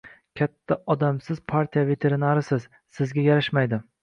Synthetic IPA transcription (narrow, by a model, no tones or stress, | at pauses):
kʲʰat̪ʰːaʔɒd̪amsɪz̥pʰaɾt̪ʰʲijave̞t̪ʰe̞ɾɪnaɾɪsɪz | sɪzɡʲajaɾɪʃmajd̪ɪ